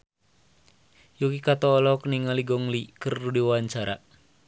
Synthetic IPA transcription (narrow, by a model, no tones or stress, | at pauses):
jukikat̪ɔːlɔkniŋaliɡɔŋlikərːudiwawaɲt͡ʃaɾa